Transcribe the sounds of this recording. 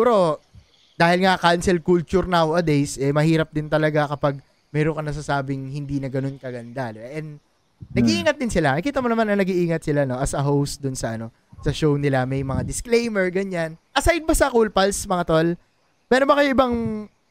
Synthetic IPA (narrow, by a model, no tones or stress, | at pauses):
uːɾo̞ | d̪aːhɪlŋakansɛlkult͡ʃʊɾnawʔɐd̪ejsʔɛmɐhiːɾɐp̚d̪ɪnt̪ɐlɐɡakɐpaɡ̚ | mɛːɾokɐnɐs̬asaːbɪŋhɪnd̪iːnɐɡɐno̞nkɐɡɐnd̪alɛʔɛnd̪ | nɐɡiʔiːŋɐt̪̚d̪ɪnsɪlanɐkiːt̪ɐmonɐmanɐŋnɐɡiʔiːŋɐt̪̚sɪlano̞ʔɐsɐɦowst̪̚d̪ʊnsɐʔɐno̞ | sɐʃownɪlamɐjmɐŋad̪ɪsklejmɛɹɡɐɲːanʔɐsajd̪̚bɐsɐkulpɐlsmɐŋat̪ol | mɛːɾobɐkɐjoʔɪbaŋ